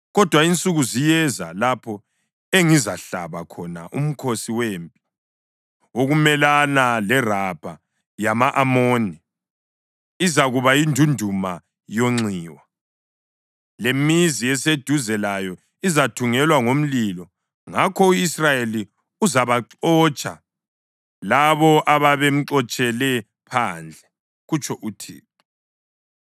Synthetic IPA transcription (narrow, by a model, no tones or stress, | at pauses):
ɣɔd̥ʱwaint͡sʼuɣuzijɛza̰lapʰɔ | eŋizaɬa̰βakʰɔna̰ʔṵm̩kʰosiweːmpʼi̥ | oɣumɛlanalɛrab̥ʱa | jamaʔamoːni | izaɣuβajindʱundʱuma | joŋ͡ǀiːwa | lemiziɛsed̥ʱuzɛlajɔ | izatʰuŋɛlwaŋom̩lilɔ | ŋakʰɔuisrajeli | uzaβaǁɔːt͡ʃʼa̰ | laβɔʔaβaβem̩ǀɔt͡ʃʼɛlɛ | pʰand͡ɮʱɛ | ɣut͡ʃʰɔʔutʰḭː